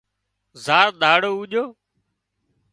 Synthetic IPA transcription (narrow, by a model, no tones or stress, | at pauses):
zaːɾɗ̪aːɽoːuːʄoː